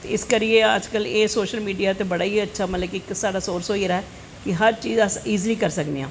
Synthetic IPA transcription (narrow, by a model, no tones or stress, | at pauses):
ɪskəɾieə̰d͡ʒkəleːsoːʃəlmiːɖijaːt̪ebəɽaːiːətːʃʰaːmət̪ləɡkɪksaːɽaːsoːɾsoːiɾaɛː | kɪɦəɾt͡ʃiːzəsiːzliːkəɾsəkd̪iã̰ː